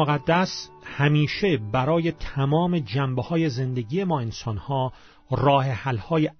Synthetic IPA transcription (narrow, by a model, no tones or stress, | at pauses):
oɣæd̪ːæshæmiːʃe̞bæɾɒːjet̪ʰæmɒːme̞d͡ʒæmbhɒːje̞ze̞nd̪eɡiːje̞mɒːe̞nsɒnhɒː | rɒːhehælhɒːje